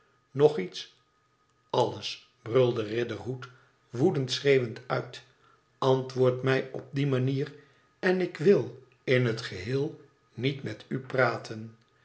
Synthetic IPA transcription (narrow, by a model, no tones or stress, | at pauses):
nɔχits | ɑləs | brɵlˠdərɪdərɦut | ʋudəntsrejʋəntœɥt | ɑntʋʊːɹtmɛjɔb̚dimaniːr | ɛnɪkʋɪlˠ | ɪnɦətχəɦɪːlˠ | nitmɛtypraːtʰən